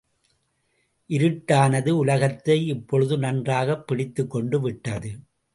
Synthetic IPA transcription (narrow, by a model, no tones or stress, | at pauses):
ʔɪɾɯʈːaːnɐðɯʊlɐɣɐt̪ːɐɪɪpːɔɻɯðɯnɐndraːɣɐpːɪɽɪt̪ːɯkːɔɳɖɯʋɪʈːɐðɯ